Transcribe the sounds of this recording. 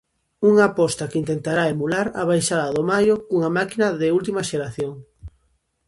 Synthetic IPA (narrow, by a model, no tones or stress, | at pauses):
uŋapɔst̪akint̪ent̪aɾaemulaɾa̰β̞ajʃaðɐðomajokuŋamakinɐðɪult̪imɐʃeɾaθjoŋ